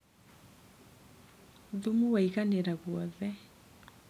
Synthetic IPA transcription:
ðumuwaiɣanɛɾaɣwɔðɛ

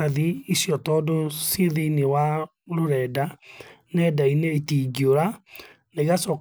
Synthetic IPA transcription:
aðiisjɔtɔdoseðeinewa | ɾoɾɛdanɛdaineːtiːɡioɾa | neɣasɔ

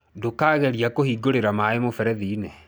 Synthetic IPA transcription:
dokaːɣɛɾiakohiɡoɾeɾamaemofɛɾɛðiːne

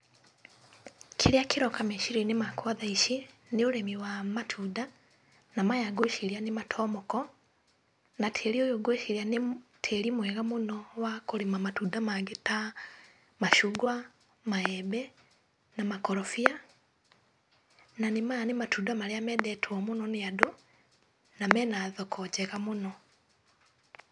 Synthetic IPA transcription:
kʰeɾeakeɾɔkameʃiɾinemakwaðaiʃi | neoɾɛmiwamatʰuda | namajaɡoʃiɾianematʰɔːmɔkɔ | natʰeɾiojoɡoʃeɾiantʰeɾimwɛːɣamonɔwakoɾemamatuːdamaɡeta | maʃuɡwa | maɛbɛ | namakɔɾɔfia | nanemanematudamaleamɛdɛtʰwɔmunɔneado | namɛːnaðɔkʰɔd͡ʒɛɣamonɔ

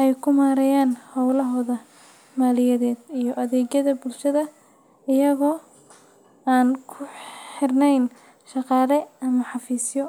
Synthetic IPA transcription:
ʔɛjkʰʊmaːɾɛjaːnhɐwlɐɦɔːðɐ | maːlɪjɛðɛːd̪ijɔʔɐðɛːɡɐðɐbʊlʃɐðɐ | ɪjɐɣɔː | aːnkʰʊħɪrnɛjn | ʃɑqɑːlɛɐmɐħɑfiːsjɔ

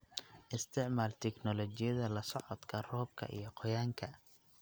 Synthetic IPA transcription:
ʔɪst̪ʰɪʕmaːlt̪ʰɛknɔlɔt͡ʃɪjɐðɐlɐsɔʕɔd̪kʰɐrɔːb̚kʰɐ̰ʔḭjɞqʰɔjaːŋkʰɐ

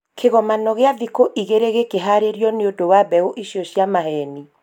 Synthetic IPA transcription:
kʰeɣɔmanɔɣeaðikoʔiɣeɾeɣekeɦaɾeɾjɔneodowabɛoʔiʃiɔɕjamahɛni

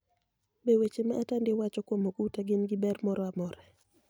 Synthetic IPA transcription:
bewet͡ʃemaʔːtandɪwat͡ʃɔkwomoɡutaɡɪnɡɪbɛrmɔɾɔamɔɾɛ

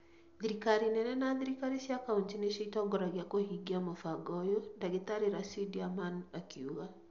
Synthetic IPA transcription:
ðiɾikaɾinɛnɛnaðiɾikaɾisjakauntineʃiitɔɡɔɾaɣjakohiɡiamofaɡɔjondaɣetaɾeɾasidiamanakiuɣa

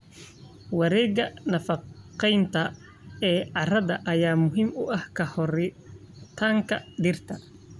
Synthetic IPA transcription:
wɑɾɛːɡɐnɐfɑqɛjnt̪ʰɐ | ɛːʕɑrɐðɐʔɐjaːmʊɦɪmʊʔɐhkʰɐhɔr | t̪ʰaːŋkʰɐɖɪrt̪ʰɐ

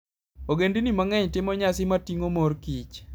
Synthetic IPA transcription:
oɡendinimaŋɛɲtɪmɔɲasɪmatiŋomoɾkit͡ʃ

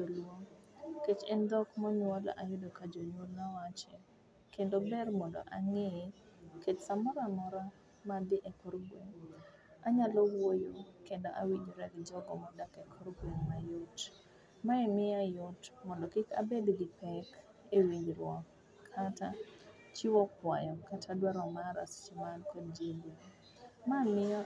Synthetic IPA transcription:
olwoŋ | ket͡ʃɛndɔkmɔɲwɔlʔajʊdokad͡ʒoɲwolnawat͡ʃe | kendobɛrmɔndɔ̰ʔaŋe | ketsamɔɾamɔɾa | madɪʔɛkɔɾɡweŋ | aɲalowojokendoʔa̰wiɲd͡ʒɾaɡd͡ʒɔɡɔ̰mɔdakɛkʰɔrɡweŋmajʊt | maɛmɪajʊtmɔndɔkɪka̰bedɡɪpɛk | ewiɲɾwɔ | kʰata | t͡ʃiwɔkwajɔkatʰadwaɾɔmaɾa̰st͡ʃimankɔdd͡ʒelo | mamɪa

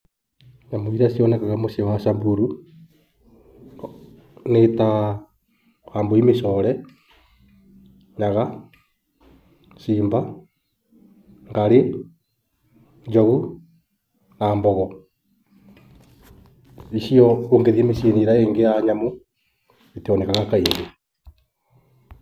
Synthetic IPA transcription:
ɲamoiɾasjɔnɛkaɣamosewaʃambuɾu | neta | hamboimesɔɾɛ | ɲaɣa | ʃiːmba | ŋɡaɾe | ɲd͡ʒoɣu | naːmbɔɣɔ | isiɔoŋɡeðiemesieniɾaeːŋɡejaɲamo | iteɔnɛkaɣakaiŋde

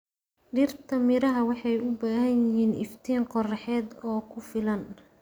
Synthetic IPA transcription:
ɖɪrt̪ʰɐmɪɾɐɦɐwɑħɑjʊbaːhɐjɪɦiːnɪ̰ft̪ʰiːnqɔrɑħɛːd̪ɔːkʰʊfɪlɐn

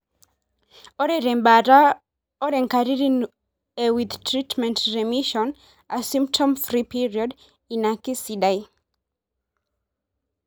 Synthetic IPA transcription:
ɔɾɛɾɛ̃mbaɾa | ɔɾɛ̃ŋkaɹiɹiŋ | ewiðtʰɹitmɛ̃ntɹɛmiʃɔ̃n | asĩmp̚tʰɔ̃mfɹipiɹiɔd | ĩnakisidaj

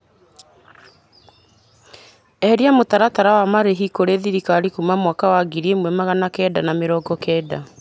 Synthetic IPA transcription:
ɛhɛɾiamotaɾataɾawamaɾeɦikoɾeðiɾikaɾikumamwakawaɡiɾiemwɛmaɣanakɛːdanameɾɔːɡɔkɛːda

